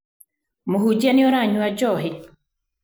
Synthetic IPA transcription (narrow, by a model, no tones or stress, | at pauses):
muɦud͡ʒanɪɔɾaɲuad͡ʒɔɦɪ